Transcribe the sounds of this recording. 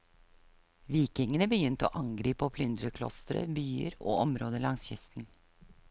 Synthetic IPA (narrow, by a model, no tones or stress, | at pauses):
ʋiːkɪŋənəbəjʏnt̪o̰ːʔɑŋɡɾiːpoːpʰlʏnd̪ɾəkʰlɔ̰st̪ɾə̰byːə̰ɾo̰ːɔmɾoːd̪əlɑŋsçʏ̰st̪n̩